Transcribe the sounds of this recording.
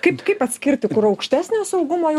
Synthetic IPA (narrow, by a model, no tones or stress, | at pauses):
kɐɪpkɐɪpɐt̪ʲsʲkʲɪɾʲt̪ʲɪkʊɾɐʊkʃʲt̪ʲæːsʲnʲoːsɐʊɡʊmoːj